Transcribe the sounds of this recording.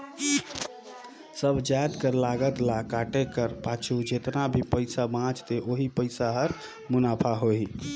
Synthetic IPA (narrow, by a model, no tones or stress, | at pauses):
səbʱd͡ʒajd̪kəɾlaɡət̪lakaʈekəɾpat͡ʃʰud͡ʒet̪nabʱipəɪsabãt͡ʃt̪eʔoɦipəɪsaɦəɾ | munapʰaɦoi